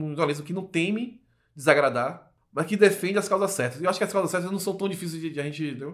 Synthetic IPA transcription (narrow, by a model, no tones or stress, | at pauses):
ũamezmʊkɪnɐ̃w̃t̪ẽmɪ | d͡ʒɪzaɡɾad̪aɾ | mɐskɪd̪efẽnd͡ʒɪɐskawzɐsɛɾt̪ɐsewaʃʊ̥kɪɐskawzɐsɛɾt̪ɐznɐ̃w̃sɐ̃w̃t̪ɐ̃w̃d͡ʒifis̬ejzd͡ʒɪd͡ʒɪaʒẽnt͡ʃɪd̪ew